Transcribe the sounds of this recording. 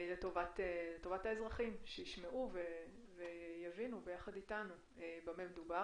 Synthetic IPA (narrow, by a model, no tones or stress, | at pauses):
leto̞vat̪eletovathaezʁaχimʃejiʃmeʔuve | vejavinube̞jaχad̪itanu | ebamemed̪uba